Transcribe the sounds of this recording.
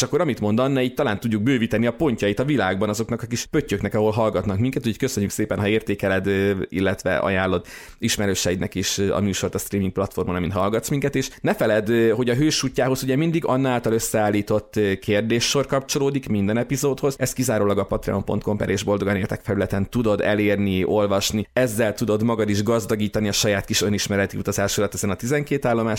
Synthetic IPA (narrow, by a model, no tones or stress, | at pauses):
ʃɒkːo̞ɾɒmit̪mo̞nd̪ɒnːɛiːc̚t̪ɒlaːnt̪uɟːuɡ̚bøːvit̪ɛniɒpo̞ɲcɒjit̪ɒvilaːɡbɒnɒzo̞knɒkɒkiʃpø̞cːøknɛkɒɦo̞lɦɒlɡɒt̪nɒkmiŋkɛt̪ucʰockø̞sø̞ɲːykseːpɛnɦɒeːrt̪eːkɛlɛd̪ḭlːɛt̪ʋɛ̰ʔɒ̰jaːnlːo̞d̪ | iʃmɛɾøːʃɛjinɛkiːʃɒ̰muːʃo̞rt̪ɒst̪riːmiŋk̚plɒt̪fo̞rmonɒmint̪ɒɦɒlɡɒt̪smiŋkɛt̪eːʃnɛfɛlɛd̪ho̞ɟɒɦøːʃuːcːaːɦo̞zuɟɛmind̪iɡɒnːaːlt̪ɒløsːɛaːlːiːt̪o̞t̪ːkʰeːrd̪eːʃːo̞rkɒpt͡ʃo̞loːd̪ikmind̪ɛnɛpizoːt̪ho̞zɛst̪kizaːɾoːlɒɡɒpɒt̪rɛ̰ompo̞nt̪̚ko̞mpɛ̰ɾʔeːʒbo̞ld̪o̞ɡɒneːlt̪ɛkfɛlylɛt̪ɛnt̪ud̪o̞d̪ɛ̰leːrniʔo̞lvɒʃniɛzːɛlt̪ud̪o̞d̪mɒɡɒd̪iʒɡɒzd̪ɒɡiːt̪ɒniɒʃɒjaːt̪kiʃojniʃmɛɾɛt̪iut̪ɒzaːʃolɒt̪ɛzɛnɒt̪izɛŋkeːt̪aːlːo̞maːʃ